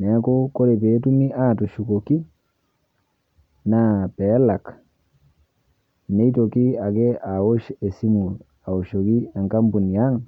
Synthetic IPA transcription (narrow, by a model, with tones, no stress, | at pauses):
nɛ˨˦ko˦ko˦ɾe˨pe˨˦tu˦mi˦ʔa˦˨tu˨ʃu˨ko˨ki˦ | na˦pɛ˨˦la˨k | ne˦i˦to˨ki˦a˨ke˦ʔa˨wo˦ʃe˨si˦mu˨ | a˨o˨ʃo˨ki˦a˨ŋka˦mbu˨ni˨ja˦ŋ